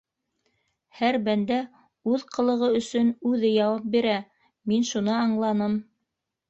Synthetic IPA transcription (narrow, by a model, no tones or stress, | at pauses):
hæɾbænd̪æ | ʉðqɤ̆lˠɤ̆ʁɤɵ̆sɵnʉðɘjɑwɑp̚biɾæ | minʃunɤɑɴlˠɑnɤm